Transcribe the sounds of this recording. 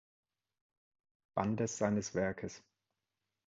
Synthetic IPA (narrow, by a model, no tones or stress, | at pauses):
b̥andəsz̥aɪnəsv̥ɛɐkʰəs